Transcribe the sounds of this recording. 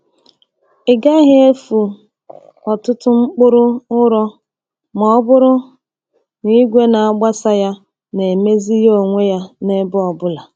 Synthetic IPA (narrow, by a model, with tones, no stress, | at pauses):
ɪ˨ɡa˦ɦɪ˦e˦fu˨ | ɔ˨tʊ˦tʊ˦ŋ͡m̩˦k͡pʊ˦ɾʊ˦ʊ˦ɾɔ˦ | mɔ˨ɔ˦bʊ˦ɾʊ˦ | ni˦ɡʷe˦na˨a˦ɡ͡ba˦sa˦ja˦ | ne˨me˦zi˦jo˨ŋʷe˦ja˦ne˦bʊ˦ɔ˨bʊ˦la˨